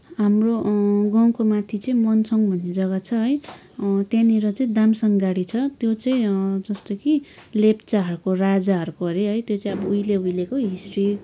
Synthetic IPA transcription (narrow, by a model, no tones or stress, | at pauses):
ɦamroɡʌw̃komat̪ʰit͡sʌĩmʌnsʌŋbʱʌnːid͡zʌɡʌt͡sʰʌɦʌj | t̪janiɾʌt͡sʌĩd̪amsʌŋɡaɽit͡sʰʌt̪jot͡saĩd͡zʌst̪ʌkilept͡saɦʌɾukorad͡zaɦʌɾukʌɾeɦʌjt̪jot͡saĩʌbʌujleujlekoɦisri